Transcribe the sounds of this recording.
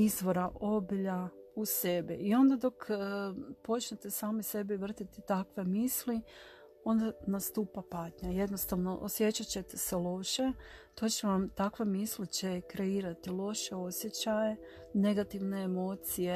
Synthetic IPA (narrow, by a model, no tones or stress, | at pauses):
izʋo̞ɾaʔo̞biʎause̞biio̞nd̪ad̪o̞kː | po̞t͡ʃnet̪e̞saːmise̞biʋr̩t̪it̪it̪akʋe̞misli | o̞nd̪anast̪uːpapaːt̪ɲaje̞d̪nost̪aʋno̞ʔosje̞t͡ɕat͡ɕe̞t̪e̞selo̞ʃe̞t̪o̞ːt͡ɕe̞ʋamt̪akʋe̞mislit͡ɕe̞kɾe̞iːɾat̪ilo̞ʃe̞o̞sje̞t͡ɕaje̞ | ne̞ɡat̪iʋne̞ːmo̞ːt̪sije